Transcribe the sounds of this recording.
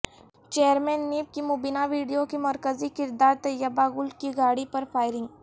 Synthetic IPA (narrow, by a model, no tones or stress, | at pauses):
t͡ʃeːəɾmẽːnːiːp̚kimʊbinaʋiːɖijokimɐɾkəzikɪɾd̪aːɾt̪ɐjəbaɡʊlkiɡaːɽipɐɾfʰaːɪɾɪ̃ŋɡ